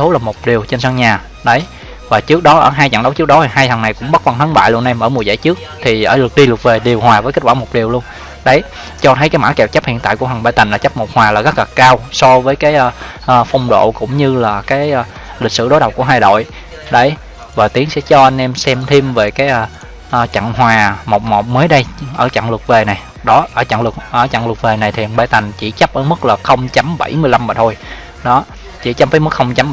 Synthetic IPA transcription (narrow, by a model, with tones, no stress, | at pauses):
t̪ʰu˨˦laː˨˩mo˨˩t̚ɗi˨˩əwt͡ɕe˧nsaː˧ŋɲaː˨˩ | ɗə˨˦j | vaː˨˩t͡ɕɨ˦˥ək̚ɗɔ˨˦ʔəː˧˩ɦaː˧jt͡ɕa̰˧˩ŋɗə˨˦wt͡ɕɨ˦˥ək̚ɗɔ˨˦t̪ʰi˨˩ɦaː˧jt̪ʰə˨˩ŋna˨˩jkʊ̰˧˥ŋ͡mɓə˦˥t̚va˧nt̪ʰə˨˦nɓa̰ː˧˨jlu˧ənʔɛ˧mʔəː˧˩mu˨˩əjza̰˧˩jt͡ɕɨ˦˥ək̚t̪ʰi˨˩ʔəː˧˩lɨ˨˩k̚ɗi˧lɨ˨˩k̚ve˨˩ɗi˨˩əwhwaː˨˩vəː˨˦kə˦˥kwaː˧˩mo˨˩t̚ɗi˨˩əwlu˧ən | ɗə˨˦j | t͡ɕɔ˧t̪ʰə˨˦jkaː˨˦jma̰ː˧˥kɛ˨˩wt͡ɕa˦˥p̚hḭ˧˨ənt̪a̰˧˨ku˧˩əɦa˨˩ŋɓa̰ː˧˨t̪a˨˩ŋlaː˨˩t͡ɕa˦˥p̚mo˨˩t̚hwaː˨˩laː˨˩ɣa˦˥k̚laː˨˩kaː˧wsɔ˧vəː˨˦jkaː˨˦jʔː | ʔːfa˧wŋ͡mɗo̰˧˨kʊ̰˧˥ŋ͡mɲɨ˧laː˨˩kaː˨˦j | lï˨˩k̟̚sɨ̰˧˨ɗo˨˦jɗə˨˩wk͡p̚ku˧˩əɦaː˧jɗo̰˧˨j | ɗə˨˦j | vaː˨˩t̪i˨˦əŋsɛ̰˧˥t͡ɕɔ˧ʔa˧nʔɛ˧msɛ˧mt̪ʰi˧mve˨˩kaː˨˦j | ʔt͡ɕa̰˧˨ŋɦwaː˨˩mo˨˩t̚mo˨˩t̚məː˨˦jɗə˧jʔəː˧˩t͡ɕa̰˧˨ŋlɨ˨˩ək̚ve˨˩na˨˩j | ɗɔ˨˦ʔəː˧˩t͡ɕa̰˧˨ŋlɨ˨˩k̚ʔəː˧˩t͡ɕa̰˧˨ŋlɨ˨˩k̚ve˨˩na˨˩jt̪ʰi˨˩ha˨˩ŋɓaː˧jt̪a˨˩ŋ̟t͡ɕi˧˩t͡ɕp̚ʔəː˧˦mɨ˦˥k̚laː˨˩xə˧wŋ͡mt͡ɕa˨˦mɓa̰˧˩jmɨ˧əjla˧mːaː˨˩t̪ʰo˧j | ɗɔ˨˦ | t͡ɕḭ˧˩t͡ɕa˦˥p̚faː˨˦mɨ˦˥k̚xə˧wŋ͡mt͡ɕa˨˦m